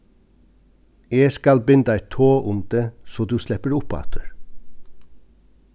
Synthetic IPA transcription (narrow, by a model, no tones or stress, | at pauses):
eːskɑlbɪnd̪æɪt̪ʰoːʔʊmd̪eːsoːd̪ʉːslɛpəɾʊpɑ̰ːt̪ʰəɾ